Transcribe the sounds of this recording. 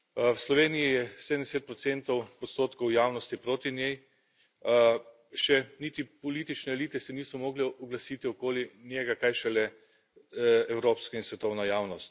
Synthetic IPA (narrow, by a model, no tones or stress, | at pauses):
wslɔʋeːnijijɛsed̪ənd̪eset̪̚pɾɔtsent̪ɔwɔt̪st̪oːt̪kɔwjaːwnɔst̪ipɾoːt̪injej | ʃɛniːt̪ipɔliːt̪it͡ʃnɛːliːt̪ɛsɛniːsɔmoːɡlɛɔɡlasiːt̪iɔkoːlinjɛɡakajʃɛlɛ | ɛwɾoːpskainsʋɛt̪ɔwnajaːwnɔst̪